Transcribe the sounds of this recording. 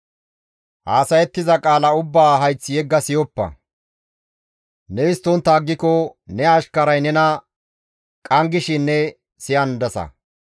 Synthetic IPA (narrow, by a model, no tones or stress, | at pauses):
haːsɐjɛt̪ːɪzɐkʼaːlɐʊbːaːɦɐjt͡sːɪjɛɡːɐsɪjɔpːɐ̰ | nɛɪst̪ːɔnt̪ːaːɡːɪkɔnɛɐʃkɐɾɐjnɛnɐ | kʼɐŋɡɪʃɪnːɛ | sɪjɐnd̪ɐsɐ̰